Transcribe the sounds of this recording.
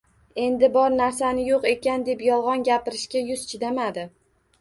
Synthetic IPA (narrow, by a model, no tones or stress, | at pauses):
e̞nd̪ɪbɒɾnaɾsanɪjoqe̞kʲand̪e̞pjɒlˠʁɒnɡʲapɪɾɪʃkʲajʊzt͡ʃʰɪd̪amad̪ɪ